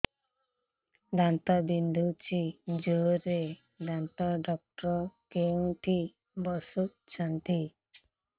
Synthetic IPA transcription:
ɖant̪abind̪ʱut͡ʃid͡ʒoɾe | ɖãnt̪aɖɔk̚ʈɾɔkeŋʈʰi | bɔsuk̚t͡ʃʰant̪i

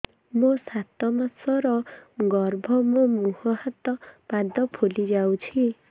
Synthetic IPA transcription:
mɔsat̪ɔmasʌɾʌɡʌrbʱʌmɔmuhɔhat̪ːʌpad̪ʌpʰolid͡zaw̃t͡sʰi

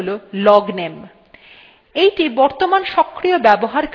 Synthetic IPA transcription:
lolɔɡnem | ejʈibɔɾt̪omanʃɔkːɾiobɛboɦaɾk

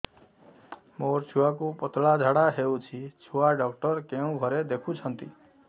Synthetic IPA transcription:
moɾt͡ʃʰuwakupɔt̪lad͡ʒʱaɽaɦeut͡ʃʰit͡ʃʰuaɖɔkʈɔɾkeũɡʱɔɾed̪ekʰũt͡ʃʰənt̪i

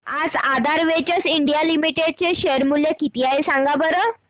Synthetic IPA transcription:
ad͡zad̪ʱaɾʋet͡ɕəsiɳɖijalimiʈeɖ̚t͡ɕeɕeɾmuljekit̪iaɦesaŋɡabəɾə

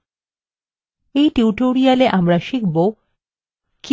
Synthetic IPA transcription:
ejʈiuʈoɾialeʔamɾaʃikbo | k

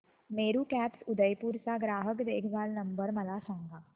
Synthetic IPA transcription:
meːɾukɛːpsʊd̪əjpuɾsaɡɾaːɦəkd̪eːkʰbaːlnɐ̃mbəɾmɐlaːsãːŋɡaː

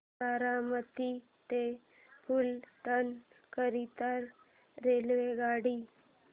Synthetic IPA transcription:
aɾamət̪i | t̪e | fulʈ̪ən | kəɾit̪aɾː | elʋeɡaɽiː

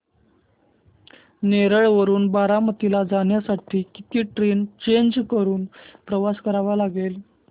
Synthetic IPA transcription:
neɾəɭʋəɾuːnbaɾamət̪ilad͡zaɽjasaʈʰiːkit̪iːʈɾent͡ɕeɲd͡ʑkəɾuːnpɾəʋaskəɾaʋalaɡel

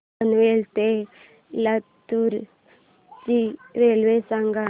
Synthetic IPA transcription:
ənʋelt̪e | lat̪ːuɾ | t͡ʃiɾelʋesaŋɡa

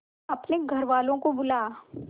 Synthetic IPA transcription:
ɐpneɡʱɐɾʋaːlõkobʊlaː

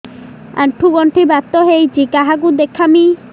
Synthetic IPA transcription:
a̰ɳʈʰuɡɔɳʈʰibat̪ːɔɦejd͡ʒikaɦak̬ud̪ekʰːami

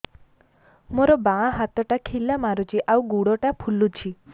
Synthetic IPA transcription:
moɾɔbaɦat̪ɔʈakʰilamaɾut͡ʃʰiʔawɡuɽɔʈapʰulut͡ʃʰi

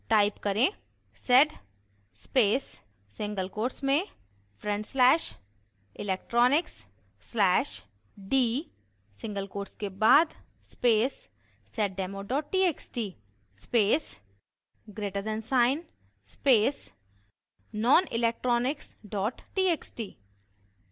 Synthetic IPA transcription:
ʈaːɪpkɐɾẽ | sɛɖ | speːsː | ɪ̃ŋɡəlkoːɾsmẽ | fɾɛ̃ɳɖslɛːʃ | ɪlɛːk̚ʈɾɔːnɪksː | lɛːʃ | ɖiː | sɪ̃ŋɡəlkoːɾskebaːd̪ | speːs | sɛʈ̚ɖɛːmoɖɔːʈʈiːeːksʈiː | speːs | ɡɾeːʈəɾd̪ɛ̃nsaːɪn | speːs | nɔːnɪ̰lek̚ʈɾɔːnɪksɖɔːʈːʈiːeːksʈiː

